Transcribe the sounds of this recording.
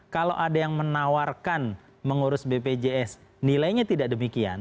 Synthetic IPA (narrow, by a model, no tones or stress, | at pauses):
kalo̰wʔadajaŋmənawarkan | məŋuɾʊsbeped͡ʒeɛsnilajɲat̪idaʔdəmikia̰n